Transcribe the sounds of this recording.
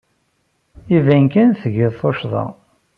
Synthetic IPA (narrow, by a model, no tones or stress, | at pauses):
ivænkænθəʝɪðθˤoʃðˤɑ̰